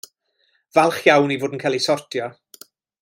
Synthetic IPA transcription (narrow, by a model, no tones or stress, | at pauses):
valˠχjawnivoːdən̩kʰalˠisɔrtʰjɔ